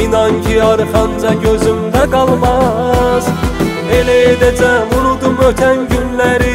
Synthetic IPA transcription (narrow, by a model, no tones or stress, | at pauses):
nɑncʰiɑɾɯχɑnd͡ʒɑɟøzymd̪æɡɑlˠmɑz | elæjed̪æd͡ʒævuɾud̪umøt̪ʰænɟynlæɾi